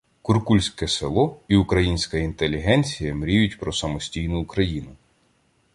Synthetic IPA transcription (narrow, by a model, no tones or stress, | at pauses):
kurkulʲsʲkɛselˠɔiʊkɾɐjinʲsʲkɐint̪elʲiɦɛnʲt͡sʲijɐmɾʲijʊtʲpɾɔsɐmɔsʲtʲijnʊːkɾɐjinʊ